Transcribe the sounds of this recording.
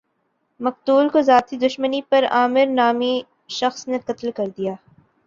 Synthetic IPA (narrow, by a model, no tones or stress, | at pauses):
mɐq̚t̪uːlkozaːt̪ʰid̪ʊʃmənipɐɾa̰ːmɪɾnaːmi | ʃɐxsneqɐt̪lkɐɾd̪ijaː